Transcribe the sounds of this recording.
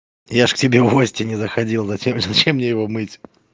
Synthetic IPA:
jaʂktʲɪbʲevosʲtʲɪnʲɪzəxɐdʲilˠzɐemzɐt͡ɕemːnʲejɪvomɨtʲ

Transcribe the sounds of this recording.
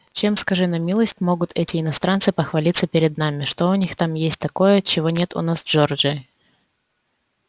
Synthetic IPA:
t͡ɕe̞mskɐʐɨnɐmʲilˠəsʲtʲmo̞ɡʊt̪ʰɛtʲɪɪnɐst̪ɾant̪sɨpəxvɐlʲit̪səpʲɪɾʲɪd̪̚namʲɪʂt̪oʊnʲixt̪amjesʲt̚ʲt̪ɐko̞jət͡ɕɪvo̞nʲe̞t̪ʊ̰nasʐord͡ʒɨ

